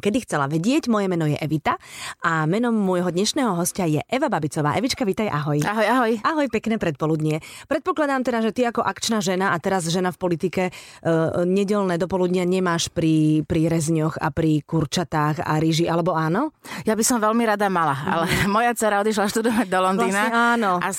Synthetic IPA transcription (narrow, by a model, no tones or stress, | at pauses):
kɛd̪ixt͡sɛlaʋɛɟɪɛɟmɔjɛmɛnɔjɛʔɛʋit̪aamɛnɔmːwɔjɦɔd̪ɲɛʃnɛːɦɔɦɔscajɛʔɛʋababit͡sɔʋa̰ːʔɛʋit͡ʃkaʋit̪ajʔaɦɔjaɦɔjaɦɔjaɦɔjpɛknɛːpɾɛt̪̚pɔlud̪ɲɪɛpɾɛt̪̚pɔklad̪aːmt̪ɛd̪aʒɛt̪iakɔʔakt͡ʃnaʒɛnaat̪ɛɾazʒɛnafpɔlit̪ikɛ | ɲɛɟɛlnɛːd̪ɔpɔlud̪ɲɪaɲɛmaːʃpɾipɾiɾɛzɲɔxa̰pɾikuɾt͡ʃat̪aːxa̰ɾiʒiʔalɛbɔaːnɔjabisɔmʋɛlmiɾad̪amalaa̰lɛmɔjat͡sɛɾaɔd̪iʃ̬laʃt̪ud̪ɔʋaɟd̪ɔlɔnd̪iːnaɛaːnɔa